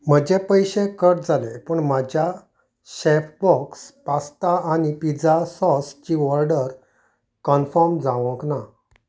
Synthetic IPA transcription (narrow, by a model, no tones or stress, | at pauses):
m̤əd͡ʑepəjɕekəʈ̚d͡zalepəɳmad͡ʑja | ɕepbɔkspast̪aanipid͡zasɔst͡ɕiʋɔɾɖəɾ | kənfəɾmd͡zãʋə̃kna